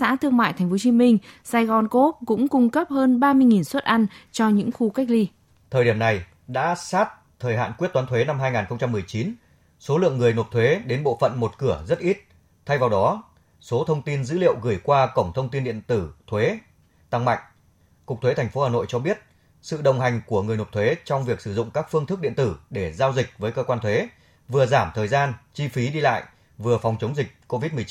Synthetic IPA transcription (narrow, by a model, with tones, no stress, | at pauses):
sa̰ː˧˥t̪ʰɨ˧əŋma̰ː˧˨t̪ʰa˨˩ŋ̟fo˨˦t͡ɕi˨˦mï˧ŋ̟saː˧jɣɔ˧˩nko˦˥t̚kʊ̰˧˥ŋ͡mkʊ˧ŋ͡mkə˦˥p̚həː˧nɓaː˧mɨ˧əjŋi˨˩nswə˦˥t̚ʔa˧nt͡ɕɔ˧ɲɨ̰˧˥ŋxu˧ka˦˥k̟̚li˧ | t̪ʰəː˨˩ɗi˧˩əmna˨˩j | ɗa̰ː˧˥saː˦˥t̚ | t̪ʰəː˨˩jɦa̰ː˧˨nkwət̚twaː˨˦nt̪ʰwe˨˦na˧mɦaː˧jŋaː˨˩nxə˧wŋ͡mt͡ɕa˧mːɨ˨˩əjt͡ɕi˨˦n | so˨˦lɨ̰˧˨əŋːɨ˨˩əjno˨˩t̚t̪ʰwe˨˦ɗe˨˦nɓo̰˧˨fə̰˧˨nmo˨˩t̚kɨ˧˩əzə˦˥t̚ʔi˦˥t̚ | t̪ʰa˧jvaː˨˩wɗɔ˨˦ | so˨˦t̪ʰə˧wŋ͡mt̪i˧nzɨ̰˧˥lḭ˧˨əwɣɨ˧˩jkwaː˧kə˧˩wŋ͡mt̪ʰə˧wŋ͡mt̪i˧nɗḭ˧˨ənt̪ɨ˧˩t̪ʰwe˨˦ | t̪a˧˩ŋma̰˧˨jŋ̟ | kʊ˨˩k͡p̚t̪ʰwe˨˦t̪ʰa˨˩ŋ̟fo˨˦haː˨˩no̰˧˨jt͡ɕɔ˧ɓi˦˥ət̚ | sɨ̰˧˨ɗə˨˩wŋ͡mɦa˨˩jŋ̟ku˧˩əŋɨ˨˩əjno˨˩t̪ʰwe˨˦t͡ɕɔ˧wŋ͡mvi˨˩ək̚sɨ˧˩zʊ̰˧˨ŋ͡mkaː˦˥k̚fɨ˧əŋt̪ɨ˦˥k̚ɗḭ˧˨ənt̪ɨ˧˩ɗe˧˩zaː˧wzï˨˩k̟̚vəː˨˦jkəː˧kwaː˧nt̪ʰwe˨˦ | vɨ˨˩əzaː˧˩mt̪ʰəː˨˩jzaː˧nt͡ɕi˧fi˨˦ɗi˧la̰ː˧˨j | vɨ˨˩əfɔ˨˩wŋ͡mt͡ɕə˨˦wŋ͡mzï˨˩k̟̚ko˧vi˦˥t̚m˨˩˦